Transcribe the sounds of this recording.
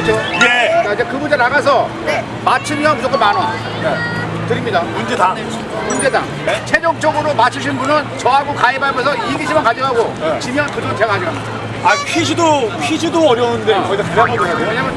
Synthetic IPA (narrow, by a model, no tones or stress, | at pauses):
t͡ɕʰojeaid͡ʑekɯbund͡ʑenaɡas̬ʰʌ | mat͡ɕʰɯmjʌnud͡ʑʌk͈onmana | ne | tɯɾimɲidamund͡ʑeda | mund͡ʑe̞da̰ | t͡ɕʰed͡ʑok̚t͡ɕ͈ʌɡɯɾomat͡ɕʰɯɕ̬ʰinbunɯnt͡ɕʌɦaɡokaebaɭmʌns̬ʰʌiɡiɕʰimankad͡ʑiɡɦaɡoet͡ɕimjʌnkɯd͡ʑʌŋɯt͡ɕeɡaad͡ʑiɡa | apʰid͡ʑidopʰid͡ʑidoʌɾjʌundekʌidakɯɾamoadeweɲamjʌn